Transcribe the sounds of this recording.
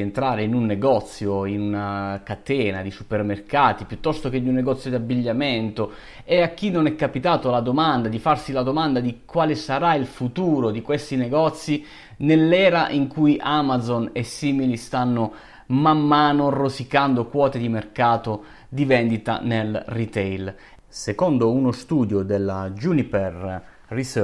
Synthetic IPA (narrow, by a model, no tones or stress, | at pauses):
ent̪ɾaːɾeinunːeɡɔt̪sːjoinunakat̪ɛːna̰d̪isupermerkaːt̪ipjut̪ːɔst̪ok̟ed̪unːeɡɔt̪sːjod̪iabːiʎːament̪o | eak̟ːinːonɛkːapit̪aːt̪olad̪omand̪ad̪ifarsilad̪omand̪ad̪ikwaːlesaɾailfut̪uːɾod̪ikwest̪ineɡɔt̪sːi | nelːɛːɾaʔiŋkujʔamazonɛsːiːmilist̪anːo | mamːaːnorosikand̪okwɔːt̪ed̪imerkaːt̪o | d̪ivɛnd̪it̪a̰nelrit̪ɛjl | sekond̪ounost̪uːd̪jod̪elːad͡ʒunipɛr | ris